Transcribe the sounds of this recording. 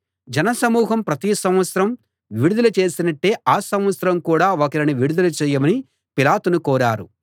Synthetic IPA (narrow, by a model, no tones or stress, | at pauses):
d͡ʒɐnɐsɐmuːɦɐmpɾɐt̪isɐmʋɐt̪sɾɐm | ʋiɽud̪ulɐt͡ʃe̞ːsinɐʈːeːʔaːsɐmʋɐt̪sɐɾɐmkuːɽaːokɐɾiniʋiɽud̪ulut͡ʃɛːjɐmɐni | pilaːt̪unukɔːɾaːɾu